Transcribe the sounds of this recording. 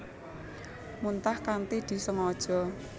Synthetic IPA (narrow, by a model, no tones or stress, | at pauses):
munt̪ahkant̪id̪̥i̤səŋɔd̥ʒ̥ɔ̤